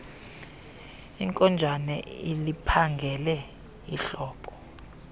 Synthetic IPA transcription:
iŋkʼɔnd͡ʒʱanɛilipʰaŋɡʱɛlɛ | iɬɔːpʰʼɔ̥

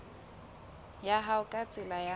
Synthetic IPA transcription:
jaɦaʊkʼat͡sʼɪlaja

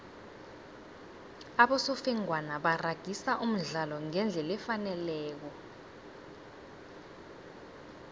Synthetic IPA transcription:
aɓɔsɔfɛŋwanaɓaraɡ̥ʱisaʔum̩ɮalɔŋɛnd͡ɮʱɛlɛfanɛlɛːk̬ɔ

